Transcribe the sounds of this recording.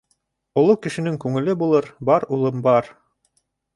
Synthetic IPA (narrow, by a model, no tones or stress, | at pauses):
ŏlˠokɘ̆ʃɘ̆nɘŋkʉŋɘ̆lɘbulˠɤɾbɑɾulˠɤmbɑɾ